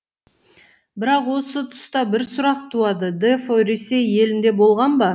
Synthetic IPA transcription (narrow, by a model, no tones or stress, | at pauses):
bɪɾɑqwo̞sət̪ʰʊ̥st̪ɑbɪɾsʊɾɑqt̪ʰuɑd̪əd̪efoɾese̞je̞lɪnd̪ebo̞lˠʁɑnbɑ